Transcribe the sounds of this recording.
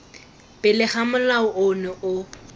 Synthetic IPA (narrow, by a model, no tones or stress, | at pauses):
pʼɪlɪχamʊlaʊʔʊnɛʔʊ